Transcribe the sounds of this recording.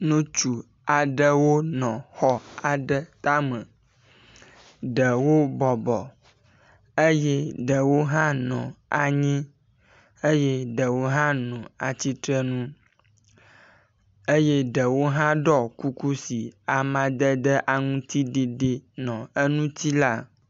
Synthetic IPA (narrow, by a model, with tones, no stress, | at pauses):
nũ˦t͡ʃu˨ | a˨ɖə˦wo˦nɔ̃˨xɔ˦a˨ɖə˦t̪a˦mə̃˨ | ɖə˨wo˦bɔ˨bɔ˨ | ə˦je˦ɖə˨wo˦ɦã˦nɔ̰̃˨a˨ɲɛ̃˦ | e˦je˦ɖə˨wo˦ɦã˦nɔ̃˨a˨t͡ɕi˦t̪ɾə˦nũ˦ | e˦je˦ɖə˨wo˦ɦã˦ɖɔ˦ku˦ku˦si˨a˨mã˨d̪ə˦d̪ə˦ʔa˨ŋũ˦t̪i˦ɖi˨ɖe˦nɔ̃˨ə˦nũ˦t̪i˦la˦